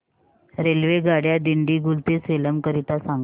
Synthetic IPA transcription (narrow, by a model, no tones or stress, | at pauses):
ɾelʋeɡaɽjad̪iɳɖiːɡult̪eseləmkəɾit̪asaŋɡ